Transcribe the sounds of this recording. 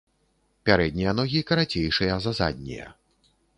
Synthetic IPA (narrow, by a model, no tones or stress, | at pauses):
pʲaɾɛd̪ʲnʲijɐnɔɣʲikɐɾat͡sʲejʂɨjɐzaza̰d̪ʲnʲḭjɐ̰